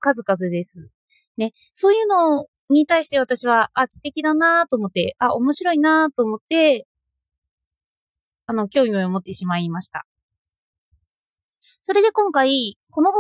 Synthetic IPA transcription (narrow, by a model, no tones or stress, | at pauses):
kazɨkazɨd̪e̞sɨ | ne̞ | so̞ːjɯ̟ːno̞ | ɲ̟it̪aiɕi̥t̪e̞β̞at̪aɕiβaat͡ɕi̥t̪e̞kʲid̪anat̪o̞ːmo̞t̪ːe̞aʔo̞mo̞ɕiɾo̞inat̪o̞ːmo̞t̪ːe̞ | ano̞kʲo̞ːmʲioomo̞t̪ːe̞ɕimaimaɕi̥t̪a̰ | so̞ɾe̞d̪e̞kõ̞ŋkaiko̞noɦo